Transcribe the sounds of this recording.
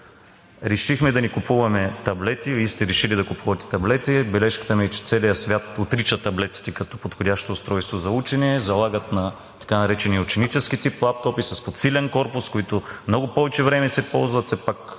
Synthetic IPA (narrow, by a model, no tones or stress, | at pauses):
ɾɛʃixmɛd̪ɐnikʊpuvɐmɛt̪ɐblɛt̪iist̪ɛɾɛʃilid̪ɐkʊpʰuvɐt̪ɛ̥t̪ɐblɛt̪ibɛlɛʃkə̥t̪əmiɛt͡ʃɛ̥t̪sɛlijəsvʲjat̪ot̪ɾit͡ʃət̪ɐblɛt̪i̥t̪ɛkɐt̪ɔ̥pot̪xodʲaʃt̪ost̪ɾɔjst̪vozɐut͡ʃɛniɛzɐlˠaɡət̪nɐ | t̪ɐ̥kanɐɾɛt͡ʃɛniʊt͡ʃɛnit͡ʃɛsk̟it̪iplˠap̚t̪ɔpisɐspot̪silʲɛnkɔɾpʊskoit̪ʊmnɔɡʊpɔvɛt͡ʃɛvɾɛmɛsɛpɔlˠzvɐt̪sɛpak